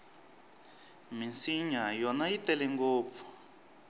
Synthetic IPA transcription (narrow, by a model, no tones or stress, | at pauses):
minsiɲajɔnajitɛlɛŋɡoːp̪fu̥